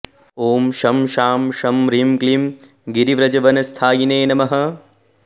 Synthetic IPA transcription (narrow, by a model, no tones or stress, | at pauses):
oːmʃɐmʃaːmʃɐmɾimklim | ɡiɾiʋɾɐd͡ʒɐʋɐnɐst̪ʰaːjineːnɐmɐɦɐ̆